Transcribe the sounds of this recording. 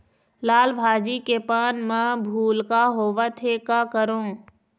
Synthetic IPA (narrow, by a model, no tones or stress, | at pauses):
laːlbʱaːd͡ʒikepaːnmãbʱuːlkaɦoːʋat̪ʰekakəɾõː